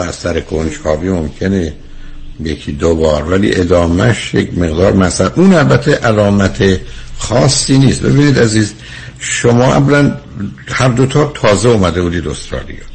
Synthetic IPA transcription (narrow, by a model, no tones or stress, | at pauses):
æsæɾekʰont͡ʃɒːviːmomcʰe̞ne | jecʰiːd̪obɒːɾvælḭːʔe̞d̪ɒːmæ̰ʃjekme̞ɣd̪ɒːɾmæsælʔuːnælbæt̪ʰːeʔælɒːmæt̪ʰexɒːsːiːniːst̪̚be̞̰biːniːd̪æziːz | ʃomɒːʔæ̰vlænhæɾd̪ot̪ʰoːɾt̪ʰɒːzeumæd̪e̞buːd̪iːd̪o̞̰st̪ɾɒ̰ːlḭjɑ̰ː